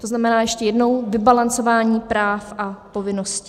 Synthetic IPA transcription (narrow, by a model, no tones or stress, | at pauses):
t̪oznamɛnaːjɛʃcɛjɛdno̞wvɪbalant͡so̞vaːɲiːpɾaːfʔapo̞vɪno̞scɪ̥